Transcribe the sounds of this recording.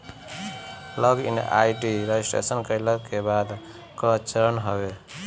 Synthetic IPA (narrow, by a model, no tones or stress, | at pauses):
ləɡḭnʔa̰jʈiɾeisʈḛsənkəjləkːebad̪ | kət͡ʃəɾənɦəbe